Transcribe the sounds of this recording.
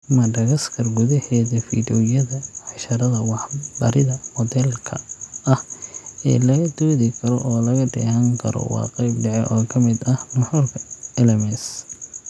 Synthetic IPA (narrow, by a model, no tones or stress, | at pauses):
mɐɖɐɣɐskʰɐrɡʊðɐhɛːðɐfḭːdɔjɐðɐʕɑʃɐɾɐðɐwɑħbɐɾɪðɐmɔd̪ɛlkʰɐ̰ɐhɛ̰ːlɐɣɐd̪ɔːðɪkʰɐɾɔʔɔːlɐɣɐɖɛ̰ːhɐŋkʰɐ̰ɾɔ̰wɑ̰ːqɛjb̚ɖɛʕɛ̰ʔɔːkʰɐmɪd̪ɐhmɐħʊrkʰɐɛlɛmɛs